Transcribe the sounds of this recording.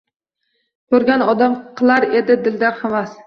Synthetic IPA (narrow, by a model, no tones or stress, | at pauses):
kʰɵɾɡʲanɒd̪amqʰɨlˠaɾe̞d̪ɪd̪ɪld̪aɾhamas